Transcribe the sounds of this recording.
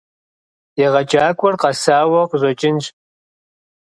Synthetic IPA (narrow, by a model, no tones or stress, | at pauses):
eʁɐt͡ʃʼaːkʷʼɔrqɑsaːwɐqʑʷɔt͡ʃʼɪnʒ